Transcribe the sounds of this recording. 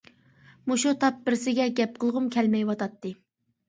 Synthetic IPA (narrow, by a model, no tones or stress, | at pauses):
muʃut̪ʰɑp̚bɪɾsɪɡʲɛɡʲɛp̚qʰəlˠʁʊmkʲʰɛlmɛjwɑt̪ɑt̪ːɨ